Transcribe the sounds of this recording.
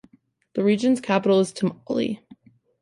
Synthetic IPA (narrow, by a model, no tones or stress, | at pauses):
ðɨɹid͡ʒɨ̃nz̥kʰæpəɾl̩ˠəz̥tʰə̃mɑlˠḭ